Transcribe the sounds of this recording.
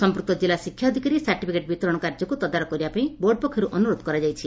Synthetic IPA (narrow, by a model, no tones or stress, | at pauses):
sɔmpɾuk̚t̪ɔd͡ʒilasikʰːjaːd̪ʱikaɾisaɾʈipʰikeʈ̚bit̪ɔɾɔɽ̃ɔkaɾd͡ʒɔkut̪ɔd̪aɾɔkɔɾibapaĩboɾɖpɔkʰːɔɾuʔɔnuɾod̪kɔɾad͡ʒajt͡ʃʰi